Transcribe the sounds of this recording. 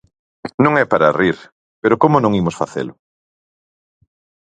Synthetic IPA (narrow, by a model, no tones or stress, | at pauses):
nõŋɛpaɾariɾ | peɾokomʊnõŋimʊsfaθḛlʊ